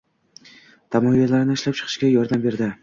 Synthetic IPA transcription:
t̪ʰamɒjalaɾnɪɪʃlap̚t͡ʃʰɨ̥qʰɨ̥ʃkʲajɒɾd̪ambe̞ɾd̪ɪ

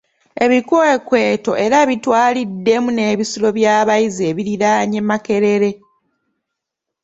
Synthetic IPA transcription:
e̞βikekwe̞ːto̞ʔe̞ɾaβitwaːlidːe̞mune̞ːβisilo̞βjaːβajizeːβiɾiɾaːɲemake̞ɾe̞ɾe̞

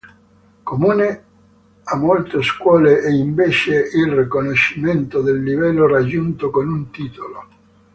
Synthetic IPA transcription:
komuːne | amːolt̪eskwɔːleʔɛiɱveːt͡ʃeilrikonoʃːiment̪od̪elːivɛlːorad͡ʒːunt̪okonunt̪iːt̪olo

